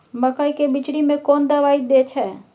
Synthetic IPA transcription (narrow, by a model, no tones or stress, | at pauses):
məkaikebɪt͡ʃɽimẽkɔːnd̪əʋaːid̪et͡ʃʰɛː